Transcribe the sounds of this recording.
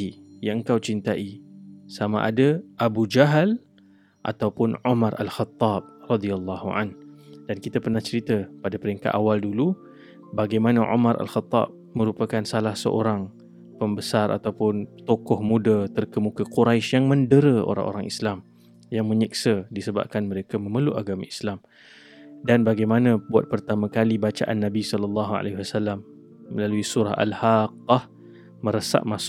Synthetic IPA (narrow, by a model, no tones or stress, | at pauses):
ijaŋəŋkawt͡ʃint̪aʔisamã̰ʔa̰daʔabud͡ʒaɦəl | ʔa̰t̪awpʊnʕumaɾa̰lxat̪ːɑb̚rɑd̪ialːɑhua̰nd̥ankit̪apərnaht͡ʃəɾit̪apadapəɾiŋka̰t̪awaldulu | baɡajmanaʕṵmaɾʔa̰lxat̪ːɑ̰b̚ | mə̃ɾupakansalahsə̰ʔo̰ɾaŋ | pəmbəsarʔa̰t̪awpʊnt̪okɔhmudat̪ərkəmukaquɾajʃjaŋməndəɾəo̰ɾa̰ŋʔo̰ɾaŋislam | jaŋmə̃ɲiksədisəba̰p̚kanməɾekamə̃məluʔaɡama̰islam | danbaɡajmanãbua̰t̪̚pərt̪amãkalibat͡ʃa̰ʔanːabisɔləlːɑɦua̰laɦiwasalːamː | əlaluisuɾaɦa̰lhaqːɑh | mə̃ɾəsa̰ʔmas